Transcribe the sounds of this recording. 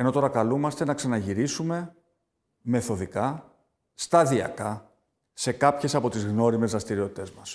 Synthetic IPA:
e̞no̞t̪o̞ɾɐkɐlumɐst̪e̞nɐksɐnɐʝiɾisume̞ | me̞θo̞ðikɐ | st̪ɐðiɐ̰kɐ | se̞kɐpçe̞sɐpo̞t̪izɣno̞ɾime̞zɾɐst̪iɾio̞t̪it̪e̞zmɐs

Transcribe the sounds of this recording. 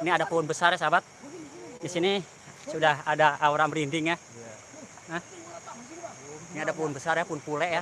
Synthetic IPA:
iniadapoʊnbəsarjasabat̪̚disini | sudahadaauɾamɾindɪŋja | əh | iniadapoʊnbəsarjapʊnpulɛʔja

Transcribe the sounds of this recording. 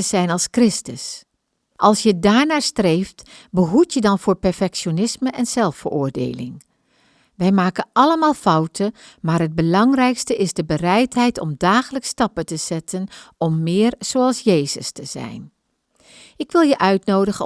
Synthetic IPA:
əz̥ɛjnɑlˠskrɪstəs | ʔɑlˠsjədaːɹnaːɹstrejftbəɦutjədɑnvʊːɹpɛɹfɛkʃionɪsməʔɛnz̥ɛlˠffə̰ɹʔʊːɹdḛjlɪ̰ŋ | ʋɛjmaːkənʔɑləmaːlˠfʌwtʰəmaːɾɦəd̚bəlɑŋrɛjkstəɪzdəbərɛjtɦɛjtɔ̰mdaːχələkstɑpətəz̥ɛtʰənɔmːɪːrz̥owɑlˠsjejzəstəz̥ɛ̰jn | ʔɪkʋɪlˠjəʔœɥtnowdəχə

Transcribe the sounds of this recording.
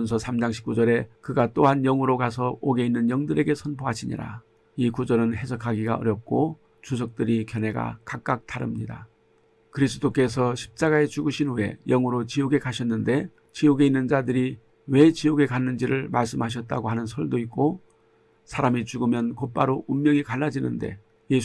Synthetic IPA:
nsʰʌsʰamd͡ʑaŋɕʰi̥p̚k͈ud͡ʑʌɾe̞kɯɡat͈oɦanjʌŋuɾokasʰʌoɡe̞inːɯnjʌŋdɯɾe̞ɡe̞sʰʌnpʰoɦaɕʰiɲḭɾa̰ | ikud͡ʑʌɾɯnhe̞sʰʌkʰaɡiɡaʌɾjʌp̚k͈o | t͡ɕus̬ʰʌk̚t͈ɯɾikjʌne̞ɡa̰kak̚k͈ak̚tʰaɾɯ̰mɲida̰ | kɯɾis̬ʰɯdok͈e̞sʰʌɕʰi̥p̚t͡ɕ͈aɡae̞t͡ɕuɡɯɕʰinue̞̰jʌŋɯɾot͡ɕioɡe̞kaɕʰʌnːɯnde̞ | t͡ɕioɡe̞inːɯnd͡ʑadɯɾi | we̞t͡ɕioɡe̞kanːɯnd͡ʑiɾɯɭmaɭs̬͈ɯmɦaɕ̬ʰʌt̚t͈aɡoɦhanɯnsʰʌɭdoik̚k͈o | sʰaɾamit͡ɕuɡɯmjʌnkop͈aɾoʔummːjʌŋikanːad͡ʑinɯnde̞̰ | je̞

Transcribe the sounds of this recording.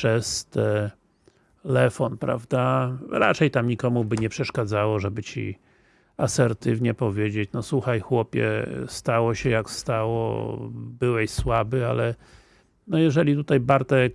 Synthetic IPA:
ʂɛst̪ɛ | ɛlɛfɔnpɾa̰vd̪aɾa̰t͡ʂɛjt̪amɲikɔmubɘɲɛpʂɛʂkad̪zawɔʐɛbɘt͡ɕḭ | asɛɾt̪ɘvɲɛpɔvʲjed͡ʑet͡ɕnɔswuxajxwɔpʲjɛ̰st̪awɔɕɛjakst̪awɔ̰bɘwɛɕswabɘa̰lɛ | nɔjɛʐɛlʲit̪ut̪ajbaɾt̪ɛ

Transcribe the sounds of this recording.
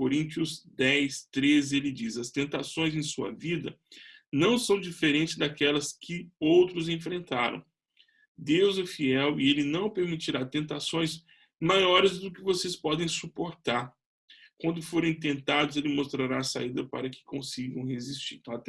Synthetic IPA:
koɾĩnt͡ʃiʊzd̪ɛjst̪ɾezɪelɪd͡ʒizɐst̪ẽnt̪asõj̃zẽj̃suɐ̰vid̪ɐ | nɐ̃w̃sɐ̃w̃d͡ʒifeɾẽnt͡ʃɪzd̪akɛlɐskʰɪowt̪ɾʊzẽfɾẽnt̪aɾɐ̰̃w̃ | d̪ewzɛfiɛwɪelɪnɐ̃w̃peɾmit͡ʃiɾat̪ẽnt̪asõj̃s | majɔɾɪzd̪ʊkɪvosespɔd̪ẽj̃supoɾt̪aɾ | kwɐ̃nd̪ʊfoɾẽj̃t̪̬ẽnt̪ad̪ʊzelɪmost̪ɾaɾaːsa̰id̪ɐpa̰ɾɐkɪ̥kõsiɡɐ̃w̃ɦezist͡ʃḭɾat̪

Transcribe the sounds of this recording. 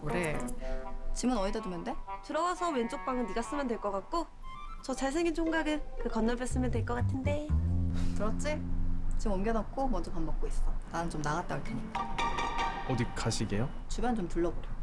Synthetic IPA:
kɾe | t͡ɕimɯnʌidʌdumjʌnde̞tɯɾʌwasʰʌwe̞nt͡ɕ͈ok̚p͈aŋɯndiɡas͈ɯmjʌndweɭk͈ʌk͈ak̚k͈o | t͡ɕʌt͡ɕaɭs̬ʰeŋint͡ɕʰoŋɡaɡɯkɯkʌnːabes͈ɯmjʌndweɭk͈ʌk͈atʰɯnde̞ | kɯɾʌt͡ɕ͈et͡ɕimʌmɡjʌnʌk̚k͈omʌnd͡ʑʌpanmbʌk̚k͈ois͈ʌnanɯnt͡ɕomnaɡat̚t͈aɡakʰeɲit͈a | ʌdik͈aɕʰiɡejo | t͡ɕubjant͡ɕomtuɭːʌboɾe

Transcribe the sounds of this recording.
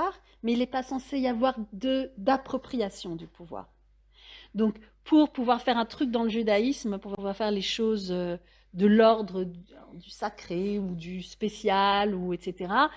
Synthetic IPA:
ʁ | mɛilɛpasɑ̃seiavwaʁd̪əd̪apχɔpχijasjɔ̃d̪ypʰuvwa̰ːʁ | d̪ɔ̃k | pʰuʁpuvwaʁfɛʁɛ̃t̪χyk̚d̪ɑ̃ləʒyd̪aismpuʁpuvwaʁfɛʁleʃozø | d̪əlɔʁd̪ʁə̃d̪ysakχeud̪yspesjaluet̪set̪eʁa

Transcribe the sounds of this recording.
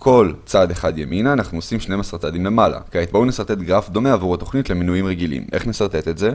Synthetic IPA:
kʰo̞lt͡sad̪eχad̪jeminaːnaχnuosimʃnejmasaʁt͡sad̪imle̞mala̰keait̪̚baunesaʁt̪e̞t̪ɡʁafd̪o̞meavuʁat̪o̞χnit̪le̞minujimʁeɡilḭmʔe̞̰χne̞saʁt̪e̞t̪etze̞

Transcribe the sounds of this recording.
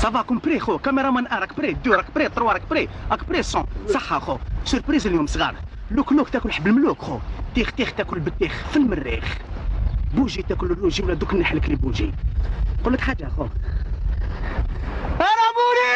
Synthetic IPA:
sˤɑvɑkʊmpɾixukæmeɾˤɑmænʔæɾˤɑkpɾid̪uɾɑkpɾit̪ˤːɾwɑɾˤɑkpɾiʔækpɾisɔ̃sˤɑħːaxosəɾpɾizəljumsˤɣɑɾˤluklukt̪ækʊlħəbːəlmlukxot̪ixt̪ixt̪ækʊlbət̪ːixfilmərːḭx | buʒit̪ækʊlərːuʒiwlæd̪ukənːəħləklibuʒḭ | qolːək̪ħaʒːaxo | æɾˤɑbuɾi

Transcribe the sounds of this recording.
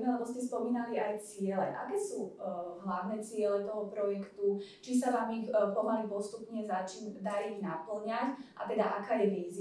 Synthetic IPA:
mɛalɛbɔscɛspɔmiːnaliajt͡sɪɛlɛʔa̰kɛːsuɦlaʊnɛːt͡sɪɛlɛt̪ɔɦɔpɾɔjɛkt̪ut͡ʃis̬aʋaːmixpɔɦalipɔst̪upɲɛzat͡ʃind̪aɾiɣnapl̩ɲacʔat̪ɛd̪aʔakaːjɛʋiːzi

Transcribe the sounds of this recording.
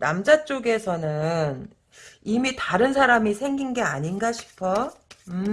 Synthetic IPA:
namd͡ʑat͡ɕ͈oɡe̞sʰʌnɯn | imitaɾɯnsʰaɾamisʰe̞ŋɡinɡe̞aɲinɡaɕʰi̥pʰʌɯ

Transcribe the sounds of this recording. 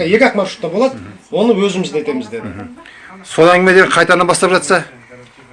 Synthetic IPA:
je̞kʲɑqmɑɾʃu̥t̪ːɑbo̞lˠɑd̪wo̞nəwɵzɪmɪzd̪ajt̪e̞mɪzd̪e̞d̪ɪ | so̞lˠæŋɡʲɪme̞d̪eeqʰɑjt̪ɑnɑnbɑst̪ɑpʒɑt̪sɑ

